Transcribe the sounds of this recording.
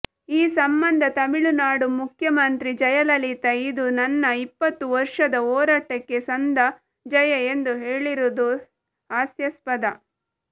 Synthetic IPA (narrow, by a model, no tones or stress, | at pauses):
iːsɐmbɐnd̪ʱɐt̪ɐmiɭunaːɽumukʰjɐmɐnt̪ɾid͡ʒɐjɐlɐlit̪ɐid̪unɐnːɐipːɐt̪ːuʋɐɾʂɐd̪ɐɔːɾaːʈɐkːe̞sɐnd̪ʱɐ | d͡ʒɐjɐend̪uɦeːɭiɾud̪u | aːsjɐspɐd̪ɐ